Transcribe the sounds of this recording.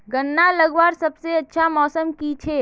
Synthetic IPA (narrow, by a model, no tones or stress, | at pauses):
ɡənːalɐɡʋaːɾsɐbseɐtːʃʰamɔːsəmkit͡ʃʰeː